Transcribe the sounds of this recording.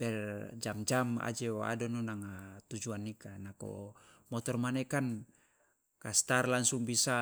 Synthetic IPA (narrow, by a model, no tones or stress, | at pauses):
bɛrd͡ʒamd͡ʒama̰d͡ʒɛa̰dɔnɔnaŋat̪ud͡ʒuanːikanako̰ | mɔt̪ɔrmanɛkan | kast̪arlaŋsuŋbisa